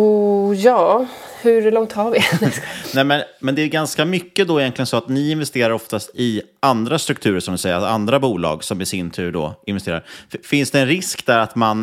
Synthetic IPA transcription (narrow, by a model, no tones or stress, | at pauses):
ujɑːhɵɾlɔŋt̪haɾvɪ | nɛmɛnmɛnd̪ɛæɾɡanskamʏkːəd̪ɔɪjɛnt̪lɪɡənsɔat̪nɪɪnvɛst̪eːɾaɾɔft̪ast̪ɪ | and̪ɾast̪ɾɵkt̪ʰʉ̟ːɾəʂɔmd̪ɪsɛjːaand̪ɾabuːlɑ̰ːɡsɔmɪsɪnt̪ʰʉ̟ːɖɔ̰ɪnvɛst̪eːɾaɾfɪnsd̪ɛɛnɾɪskd̪æɾat̪man